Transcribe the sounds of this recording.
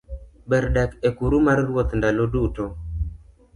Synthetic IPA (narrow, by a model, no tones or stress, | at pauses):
bɛɾdɛkekuɾumarːwot̪ndaloduto